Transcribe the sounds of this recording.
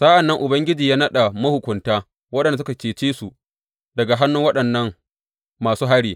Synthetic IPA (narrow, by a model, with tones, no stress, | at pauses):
sa˦ʔa˨nːɐ˦ŋʔʊ˨bɐ˦ŋɡʲɪ˦d͡ʒiː˨jaː˦nɐ˦ɗa˨mɐ˦hʊ˨kʷʊ˨ntaː˦ | wɐ˦ɗɐ˨nda˨s̬ʊ˦ka˨kʲeː˨t͡ʃeː˦su˨ | dɐ˨ɡa˨ɦa˦nːʊ˦ŋwɐ˦ɗɐ˨nːɐ˦ŋ | maː˨suː˦ɦa˦ɽiː˨